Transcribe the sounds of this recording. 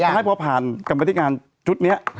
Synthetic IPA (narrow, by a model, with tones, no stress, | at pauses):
a˧˦˥pʰɔ˦˥pʰaː˨˩nka˧ma˧t̪i˦˥kŋaː˧n | t͡ɕʰu˦˥t̪̚ni˦˥ɐʔ